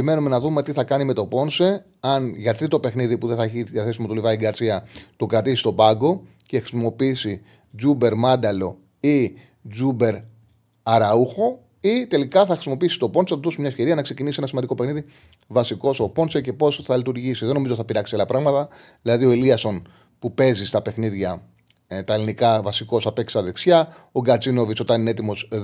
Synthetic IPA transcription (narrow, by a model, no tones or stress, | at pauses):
ime̞nume̞nɐðume̞t̪iθɐkɐnime̞t̪o̞po̞nse | ɐnʝɐt̪ɾit̪o̞pe̞xniðipuðeθɐeçiðiɐθesimɐt̪olivɐiɡɐɾsiɐt̪okɾɐt̪isi̥st̪o̞bɐɡo̞ | ce̞xɾisimo̞piisi | zube̞ɾmɐnd̪ɐlo̞̰ | i | d͡ʒube̞ɾ | ɐɾɐuxo̞ | it̪e̞likɐθɐxɾisimo̞piisi̥t̪o̞ponsɐt̪ðosumɲɐefçe̞ɾiɐnɐkse̞cinisienɐsmɐnd̪iko̞pexniði | vɐsiko̞so̞po̞nsece̞po̞sθɐlit̪uɾʝisiðe̞no̞mizoiθɐpiɾɐksiɐlɐpɾɐɣmɐt̪ɐ | ðilɐðio̞iliɐso̞n | pupe̞zist̪ɐpe̞xniðʝɐ | t̪ɐelinikɐvɐsiko̞sɐpeksi̥sɐðe̞ksçɐ | o̞ɡɐt͡sino̞viso̞t̪ɐnineet̪imo̞s